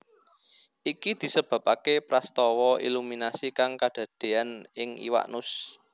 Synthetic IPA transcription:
ʔikid̪̥i̤səb̥a̤p̚ʼakepɾast̪ɔwɔʔḭluminasikaŋkad̥a̤d̪̥e̤anɪŋḭwa̰ʔnʊs

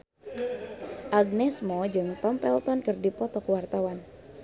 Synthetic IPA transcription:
ʔaɡ̚nɛsmɔd͡ʒɨŋt̪ɔmpɛlt̪ɔnkɨrdipɔt̪ɔkuwart̪awan

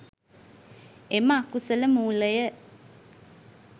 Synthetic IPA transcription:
emakusələmuːləjə

